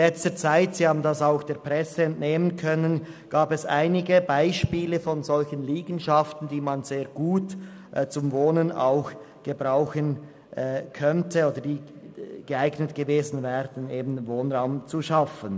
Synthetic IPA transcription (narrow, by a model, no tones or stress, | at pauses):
lɛt͡stət͡saɪtsihaːbn̩dɑsaʊxd̥eːɐpʁɛsəɛntneːmənkʰœnənɡ̥aːbɛsʔa̰ɪnɪɡəbaɪʃpiːləfɔnzɔlçənliːɡn̩ʃaftn̩diːmanz̥eːʁɡ̥uːt | t͡sʊmvoːnəna̰ʊx | ɡ̥əbʁaʊxən | ʔɛkʰœntʰəoːdəd̥iːɡ̥əaɪɡnətɡ̥əveːzn̩vɛːʁdn̩eːbn̩voːnʁaʊmt͡suʃafən